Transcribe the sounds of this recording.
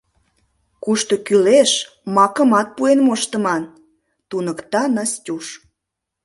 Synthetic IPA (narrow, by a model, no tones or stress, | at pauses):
kuʃt̪okyleʃ | mɑkə̆mɑt̪̚puenmoʃt̪ə̆mɑn | t̪unəkt̪ɑnɑstʲuʃ